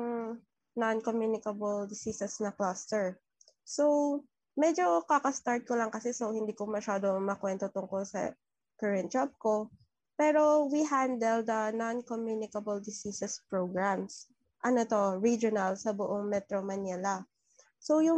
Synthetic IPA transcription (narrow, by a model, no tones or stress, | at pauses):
nankomjunɪkɐbɐld̪ɪsiːsɛsnɐklast̪ɛɹ | sow | mɛd͡ʒo̞kakɐst̪aɹt̪̚kolɐŋkɐsɛsowhɪnd̪iːkomɐʃaːd̪omɐkwɛnt̪ot̪ʊŋkolsɐ̰ | kɐɹɛnt̪̚d͡ʒab̚ko | pɛːɾo̞wiɦand̪ɛld̪ɐnankomjuːnɪkɐbɐld̪ɪsiːsɛspɹoɡɹams | ʔɐnot̪oɹid͡ʒonɐlsɐbʊʔoŋmɛt̪ɾomɐnilɐ | sojʊ